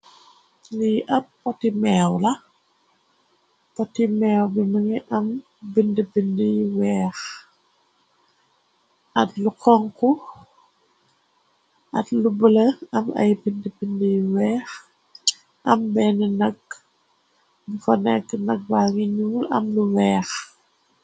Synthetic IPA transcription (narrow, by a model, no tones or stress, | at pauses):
lijʔɐpːɔtimɛːwlɐ | pɔtːimɛːwbiməŋiʔɐm | bindəbindəjwɛːx | ʔɐtlukɔŋku | ʔɐ̰tlubəlɐɐmɐ̰jbindəbindəjwɛːx | ʔɐmbɛnənɐk̚ | bikɔnɛkːnɐk̚baŋiɲuːlɐ̰mluwɛːx